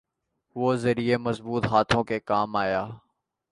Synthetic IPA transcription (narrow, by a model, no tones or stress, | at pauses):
ʋoːzɐɾiemɐzbuːt̪ɦaːt̪ʰõkekaːmaːjaː